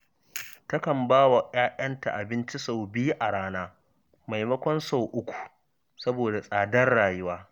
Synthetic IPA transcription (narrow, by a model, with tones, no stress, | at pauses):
tɐ˦kɐ˨mbaː˦wa˨ʔaː˦ʔɐ˦nta̰˨ʔa˨bɪ˦nt͡ʃi˦sa˨wbiː˦ʔa˨ɽaː˦naː˦ | ma˨jmɐ˦kʷɔ˦nsa˨wʔʊ˦kʷu̥˨ | sɐ˦boː˨da˨sʼaː˨dɐ˦rɽaː˨jʊ˦waː˦